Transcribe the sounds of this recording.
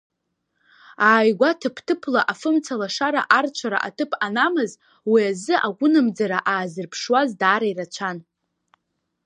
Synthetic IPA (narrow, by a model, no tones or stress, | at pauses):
aːjɡʷatʰɨpʰtʰɨpʰlaʔafɨmt͡sʰalaʂaɾa̰ʔart͡ʃʷʰaɾa̰ʔatʰɨpʰanamɨz | wiazɨʔaɡʷʊnɨmd͡zaɾaʔaːzɨrpʰʂwazdaːɾairat͡ʃʷʰan